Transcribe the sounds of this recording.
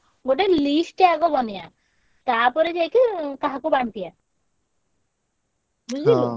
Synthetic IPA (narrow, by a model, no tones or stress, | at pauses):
ɡoʈelisʈeaɡɔbɔnija | t̪aɾpɔɾed͡ʒajkik̪aɦakubaɳt̪ija | bui